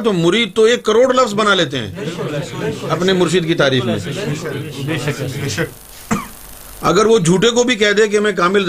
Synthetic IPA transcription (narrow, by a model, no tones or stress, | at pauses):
t̪omʊɾiːd̪̚t̪oeːkːɐɾoːɽlɐfzbɐnaleːt̪̬eɦɛ̰̃ː | ɐpnemʊɾʃ̬ɪd̪kit̪aːɾiːfmḛ̃ː | ɐ̰ɡəɾʋod͡ʒʱuːʈek̬obʱik̬ɛɦd̪ẽk̬emɛ̃k̬aːmɪl